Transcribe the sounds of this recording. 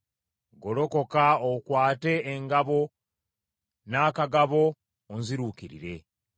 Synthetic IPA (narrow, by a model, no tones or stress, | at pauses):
ɡo̞lo̞kokaokwaːte̞ːŋɡaβo̞ | naːkaɡaβo̞ː | nziɾuːkiɾḭɾe̞